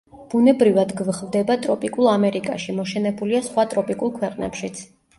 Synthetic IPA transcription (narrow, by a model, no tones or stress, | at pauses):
b̥unɛbɾivad̪ɡvχvd̪ɛbat̪ʼɾɔpʼikʼulˠamɛɾikʼaʃimɔʃɛnɛbuliasχwat̪ʼɾɔpʼikʼulˠkʰwɛqʼnɛ̰pʃit̪sʰ